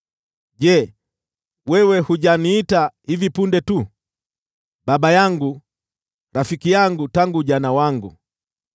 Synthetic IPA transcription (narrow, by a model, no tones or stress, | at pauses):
ɟɛ | wɛwɛhuʄaniːtahivipundɛtu | ɓaɓajaŋɡu | ɾafikijaŋɡutaŋɡuʄanawaŋɡu